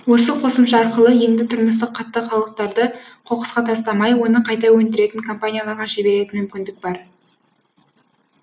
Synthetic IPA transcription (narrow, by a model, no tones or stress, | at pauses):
wo̞səqʰo̞səmʃɑɑɾqəlˠəje̞nd̪ɪt̪ʰʊɾməst̪əqʰːɑt̪ːəχɑlˠəq̚t̪ɑɾd̪əqʰo̞qə̥sqɑt̪ʰɑst̪ɑmɑjwo̞nəqʰɑjt̪ɑwɵnd̪ɪɾe̞t̪ɪŋkʰo̞mpanʲijɑlˠɑɾʁɑʃebe̞ɾe̞t̪ɪmʏmkʲɪnd̪ɪk̚bɑɾ